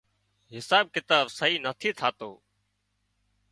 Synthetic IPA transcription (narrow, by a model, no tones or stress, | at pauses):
ɦɪsaːb̚kɪt̪aːbsəɦiːnət̪ʰiːt̪ʰaːt̪oː